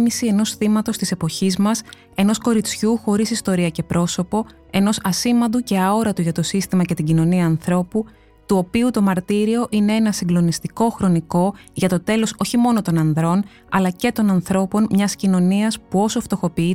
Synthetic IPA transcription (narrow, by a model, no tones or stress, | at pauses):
misie̞no̞sθimɐt̪o̞st̪ise̞po̞çizmɐs | e̞no̞sko̞ɾit͡sçuxo̞ɾisist̪o̞ɾiɐce̞pɾʔo̞so̞po̞ | e̞no̞sɐsimɐnd̪uce̞ɐo̞ɾɐt̪uʝɐt̪o̞sist̪imɐce̞t̪iɟino̞niɐːnθɾo̞pu | t̪uo̞piut̪o̞mɐɾt̪iɾio̞ʔine̞e̞nɐsiŋɡlo̞nist̪iko̞xɾo̞niko̞ʝɐt̪o̞t̪e̞lo̞so̞çimo̞no̞t̪o̞nɐnðɾo̞n | ɐ̰lɐce̞t̪o̞nɐnθɾo̞po̞nmɲɐscino̞niɐspuo̞soft̪o̞xo̞pii